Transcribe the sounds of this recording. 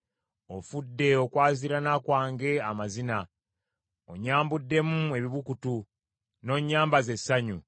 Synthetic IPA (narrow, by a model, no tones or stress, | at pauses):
o̞fudːe̞o̞kwaːziɾanaːkwaːŋɡe̞amazina | o̰ɲaːmbudːe̞mue̞βiβukutu | no̞ɲːaːmbaze̞sːaɲu